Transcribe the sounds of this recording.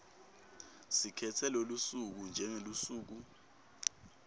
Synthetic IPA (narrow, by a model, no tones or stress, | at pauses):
sikʰɛtʰɛlolusuk̬und͡ʒʱɛŋelusuːk̬u